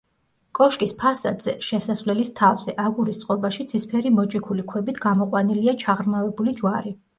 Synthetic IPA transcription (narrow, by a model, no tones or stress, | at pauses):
kʼɔʃkʼispʰasad̪z̥ɛʃɛsasvlɛlist̪ʰavzɛʔaɡuɾist̪sʼqʼɔbaʃit̪sʰispʰɛɾimɔt͡ʃʼikʰulikʰwɛbit̪ʰɡamɔqʼwaniliat͡ʃʰaʁɾmavɛbulid͡ʒwaɾi